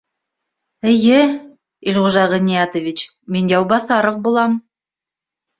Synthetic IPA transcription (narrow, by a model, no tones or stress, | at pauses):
ɘ̆jɘ | ilʁuʒɑʁɤnʲijat̪ŏvʲit͡ɕ | minjɑwbɑθɑɾoq̚bulˠɑm